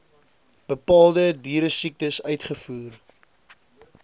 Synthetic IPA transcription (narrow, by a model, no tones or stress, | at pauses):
b̥əpɑːlˠdədiːɾəsik̚təsœɥtχəfuːr